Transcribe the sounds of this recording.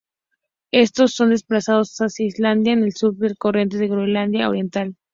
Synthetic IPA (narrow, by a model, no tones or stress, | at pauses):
e̞st̪o̞sːo̞nd̪e̞splasaðo̞sasasjaizland̪jaene̞lsuɾpeɾkorje̞nt̪eðeɣɾeland̪jao̰ɾje̞nt̪al